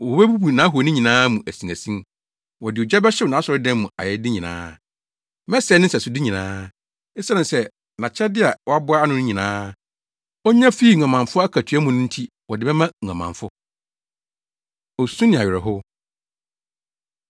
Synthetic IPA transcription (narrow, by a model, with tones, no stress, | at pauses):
wɔ˨bæ˦bu˦bu˨nã˨˦ɦu˨nɪ̃˦ɲĩ˨nãː˦mũ˨ʔæ˨sĩ˨næ˨sĩ˦m | wɔ˨dɪ˨ɔ˨d͡ʑɛ˦bɛ˦ɕɪ˦wnã˨˦sɔ˨ɾɪ˦dã˦mː˦ũ˨a̰˨jɛ˦dɪ˦ɲĩ˨nã̰ː˦ | mɛ̃˦sɛ˨˦nɪ̃˦sɛ˨sʊ˨di˦ɲĩ˨nã̰ː˦ | ɪ˦sa˦nɪ̃˨sɛ˦ | nã˨t͡ɕʰɛ˦dɪ˦a˨wɔ˦a˦bʊ˦a˦a˦nʊ̃˦nɪ̃˦ɲĩ˨nãː˦ | ɔ˦ɲã˦fiː˦˨ŋʷ˨ã˨mã˨ɱfʊ˦a˦kʰæ˨tʰæ˦mʊ̃˨nʊ̃˦n̩˦tʰi˦ | wɔ˨dɪ˨bɛ˦mã˦ŋ̩ʷ˨ã˨mã̰˨ɱfʊ˦ | ɔ˨sũ˦nɪ̃˨a˨ɥɪ˨ɾɛ˨ɦʊ˦